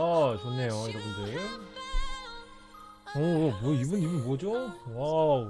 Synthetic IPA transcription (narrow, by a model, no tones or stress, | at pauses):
at͡ɕonːe̞joiɾʌbɯnde | ʌmʌibɯnibɯnbwʌd͡ʑowa